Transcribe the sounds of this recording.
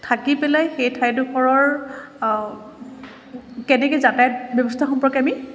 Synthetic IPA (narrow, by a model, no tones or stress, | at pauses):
tʰakipɛlajxejtʰajdukʰɔɹɔɹ | kɛnɛkɛzatajtbjɔbɔstʰaxɔmpɔɹɔkami